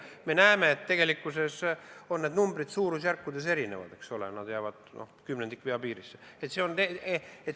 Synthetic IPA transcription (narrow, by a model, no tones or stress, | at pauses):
me̞næeme̞ːt̪t̪ːe̞ɡ̥elikːˑuse̞so̞nːe̞d̪numbɾid̪suːɾusjærkːud̪e̞s̬e̞ɾine̞̰vɑ̰d̪̥e̞ksolenɑd̪jæːvɑd̪̥nʔo̰hkymned̪̥ikːˑveɑpiːɾisːeet̪ˑse̞o̞nt̪eet̪